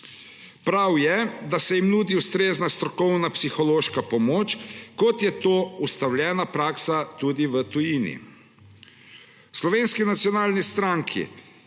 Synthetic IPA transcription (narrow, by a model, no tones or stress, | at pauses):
pɾawjɛd̪asɛjimnuːd̪iust̪ɾeːznast̪ɾɔkɔwnapsixɔloːʃkapɔmoːt͡ʃkɔt̪jɛt̪oːust̪awlʲjɛːnapɾaːksat̪ud̪iʋət̪ujinḭ | slɔʋeːnskinat̪sjɔnaːlnist̪ɾaŋkʰḭ